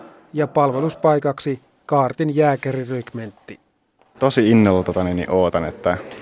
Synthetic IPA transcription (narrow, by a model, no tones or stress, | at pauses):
jɑpɑlʋe̞luspɑjkɑksi | kɑːrt̪injæːkeɾirykment̪ːi | t̪osiinːolot̪ot̪ɑninːḭʔoːt̪ɑnet̪ːæ